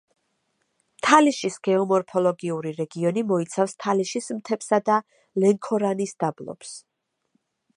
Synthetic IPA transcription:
mt̪ʰaliʃisɡ̥ɛɔmɔɾpʰɔlˠɔɡiuɾiɾɛɡiɔnimɔit̪sʰafst̪ʰaliʃismt̪ʰɛpsad̪a | lɛŋkʰɔɾanisd̪̥ablˠɔ̰ps

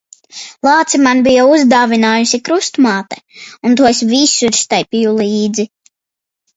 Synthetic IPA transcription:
lˠɑːt̪simanbijauzd̪aːvinaːjusikɾust̪maːt̪ɛunt̪uɔs̬visuiɾst̪ajpijulˠiːd̪zi

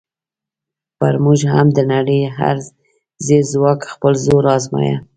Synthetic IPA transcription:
pəɾmuʒhamd̪ənaɽəjɦa̰ɾ | zezwɑkxpəlzoɾɑzmɑ̰ja̰

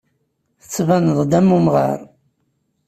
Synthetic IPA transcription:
θə̥t͡sːvænəðˤd̪æmːumʁə̰ɾˤ

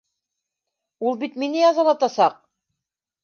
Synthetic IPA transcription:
ulˠbit̪minɘjɑzɑlˠɑt̪ɑsɑq̚

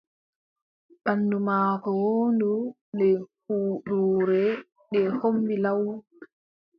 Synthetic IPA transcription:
ɓandumaːkɔwoːndu | nɛhuːɗuːɾɛ | ɗɛhombilaw

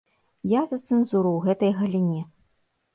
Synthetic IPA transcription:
jazɐt̪sɛnzuɾɐwɣɛt̪ɐjɣɐlʲinʲɛ

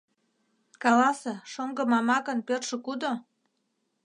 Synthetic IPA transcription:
kɑlɑsĕʃoŋɡə̆mɑmɑkənpørʃə̆kud̪o

